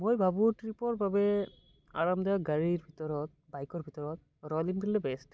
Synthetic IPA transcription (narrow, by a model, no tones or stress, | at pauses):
mojbʱabʊtɹipɔɹbabɛ | a̰ɹamd̪aɡaɹiɹbʱit̪ɔɹɔt̪̚ | bajkɔɹbʱit̪ɔɹɔt̪̚ | ɹɔliŋpilɛbɛst